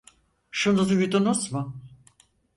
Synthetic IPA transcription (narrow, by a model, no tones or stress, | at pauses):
ʃunuzujyd̪unusmʊ